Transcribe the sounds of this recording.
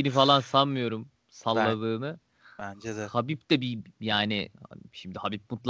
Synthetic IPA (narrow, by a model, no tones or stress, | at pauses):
inifalˠansanmɯjo̞ɾum | salˠːabɯːnɯ | bænd͡ʒɛd̪ɛhabipd̪ɛbijaːnɪ̰ʃimd̪ihabip̚mut̪lˠ